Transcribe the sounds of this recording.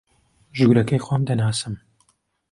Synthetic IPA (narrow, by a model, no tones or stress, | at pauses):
ʒuɡɾɐkɐjxwʷamd̪ɐnaːsɨm